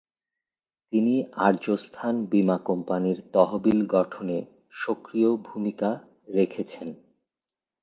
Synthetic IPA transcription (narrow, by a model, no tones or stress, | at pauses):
t̪iniaɾd͡ʑost̪ʰanbimakɔmpaniɾt̪ɔɦobilɡɔʈʰone | ʃokɾiobʱumika | ɾekʰet͡ɕʰen